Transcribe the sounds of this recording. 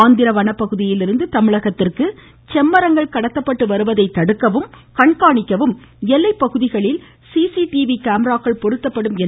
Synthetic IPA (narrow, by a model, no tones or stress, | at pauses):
nd̪ɪɾɐʋɐnɐpːɐɣɯðɪjɪlɪɾɯnd̪ɯt̪ɐmɪɭɐɣɐt̪ːɪrkɯ | t͡ʃɛmːɐɾɐŋɡɐɭkɐɽɐt̪ːɐpːɐʈːɯʋɐɾɯʋɐðɐɪt̪ːɐɽɯkːɐʋɯm | kɐɳkaːɳɪkːɐʋɯmɛlːɐɪpːɐɣɯðɪɣɐɭɪl | siːsiʈiːʋikaːmɾaːkɐɭpɔɽɯt̪ːɐpːɐɽɯmɛ